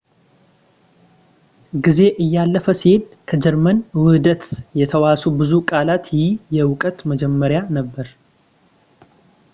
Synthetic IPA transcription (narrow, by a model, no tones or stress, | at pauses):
ɡize̞ʔɨjːalːəfəsihed̪kʰəd͡ʒɛɾmənwɨhd̪ət̪jɛt̪ʰəwasubɨzukʼalat̪jijɛwʊkʼət̪məd͡ʒɛmːəɾjanəbːəɾ